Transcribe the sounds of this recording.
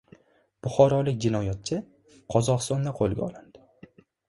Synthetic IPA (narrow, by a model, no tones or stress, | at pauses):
b̥ʊχɒɾɒlɪk̚ʲd͡ʒɪnɒjat̪̚t͡ʃʰɪ | qʰɒzɒʁɨst̪ɒnd̪aqʰolˠɡʲa̰ɒlɪnd̪ɪ̥